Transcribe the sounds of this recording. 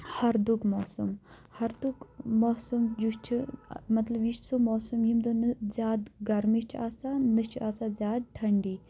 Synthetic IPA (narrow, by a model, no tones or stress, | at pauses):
hɐɾd̪ukmoːsum | hɐɾd̪ukmoːsumd͡ʒuʃt͡ʃʰimɐt̪lɐbiʃʰsumoːsumjimd̪unɨzʲaːd̪ɡɐɾmiʃt͡ʃʰaːsaːnɨst͡ʃʰaːsazʲaːd̪̚ʈʰɐɳɖiː